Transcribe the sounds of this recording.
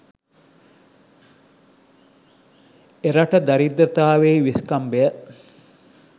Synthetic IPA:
eɾɐʈəd̪ɐɾid̪ɾɐt̪aːʋeːʋiskɐmbejə

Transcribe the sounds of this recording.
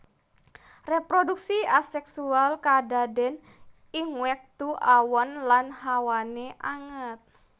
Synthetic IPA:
repɾoduk̚siasɛksualkadadɛn | ɪŋwɛk̚t̪uʔawɔnlanhawaneʔaŋət̪̚

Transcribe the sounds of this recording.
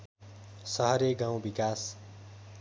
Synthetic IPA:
sʌɦʌɾeɡãw̃bikas

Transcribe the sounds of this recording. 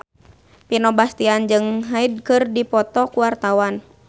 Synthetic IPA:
pinɔbast̪iand͡ʒɨŋɦaid̚kɨrdipɔt̪ɔkuwart̪awan

